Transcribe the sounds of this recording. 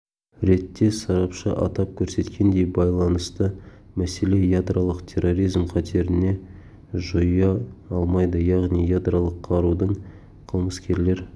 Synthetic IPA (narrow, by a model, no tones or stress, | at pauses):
ɾe̞t̪ːe̞sɑɾɑpʃə̰ʔɑ̰t̪ɑp̚kʲʰɵɾse̞t̪kʲe̞nd̪e̞jbɑjlˠɑnəst̪ə | mæse̞le̞jad̪ɾalˠəqt̪ʰe̞rːo̞ɾijzmqʰɑt̪ʰe̞ɾɪne̞ | ʒojɑɑlˠmɑjd̪əjɑʁnijjad̪ralˠəqʰːɑɾud̪əɴ | qʰəlˠməskʲʰe̞ɾle̞ɾ